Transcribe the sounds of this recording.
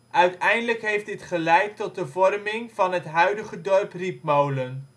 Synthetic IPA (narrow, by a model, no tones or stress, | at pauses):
ʔœɥtɛjndələkɦejfdɪtχəlɛjtːɔt̚dəvɔrmɪŋv̥ɑnətɦœɥdəχədɔrprip̚mowlən